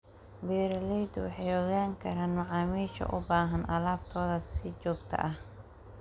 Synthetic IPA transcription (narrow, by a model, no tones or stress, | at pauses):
bɛːɾɐlɛjd̪ʊwɑ̰ħɑjɔɣaːŋkʰɐɾaːnmɐʕɑːmiːʃɐ̰ʔʊbaːɦɐnʔɐ̰laːbt̪ʰɔːðɐsɪt͡ʃɔːɡt̪ʰɐ̰ʔɐh